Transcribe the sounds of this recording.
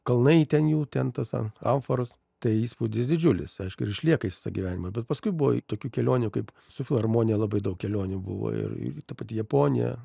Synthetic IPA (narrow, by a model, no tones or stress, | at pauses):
kɐlˠnɐɪit̪ʲɛnjuːt̪ʲɛnt̪ɐsɐ̰ɐ̰ɱfɐɾɐs | t̪ɐɪiːspuːd̪ʲɪsd̪ʲɪd͡ʒʲʊlʲɪsɐɪʃkʊɪɾɪʃʲlʲiɛkɐiːsʲɪ̥sɐɡʲiʋʲæːnʲɪmɐbʲɛt̪pɐskʊɪbʊʋo̰t̪oːkʲuːkʲɛlʲoːnʲukɐɪp | sʊfʲɪlˠɐrmoːnʲɪjɛlˠɐbɐɪd̪ɐʊkkʲɛlʲoːnʲubʊ̰ʋo̰ɪ̰rɪ̰t̪ɐpɑt̪ʲɪjɛpoːnʲɪjɛ̰